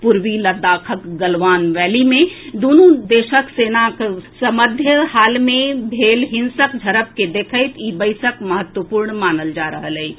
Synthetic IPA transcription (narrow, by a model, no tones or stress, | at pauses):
puɾʋiləd̪aːkʰəkɡəlʋaːnʋɛːlimẽd̪oːnũd̪eːʃəkseːnaksəməd̪ʱjəhaːlmẽbʱeːlɦɪnsəkd͡ʒʱəɾəp̚ked̪eːkʰəɪt̪iːbəɪsəkməɦət̪wəpuːɾɳmaːnəld͡ʒaɾəɦəlɛi